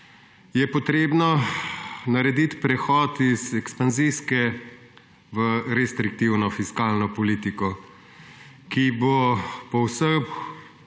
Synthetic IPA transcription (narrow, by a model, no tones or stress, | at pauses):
jɛpɔt̪ɾeːbnɔ | nɐɾɛd̪it̪pɾɛxɔt̪izɛkspanziskɛ | ʋəɾɛst̪ɾik̚t̪iwnɔfiskaːlnɔpɔliːt̪ikɔ | kibopɔwsəx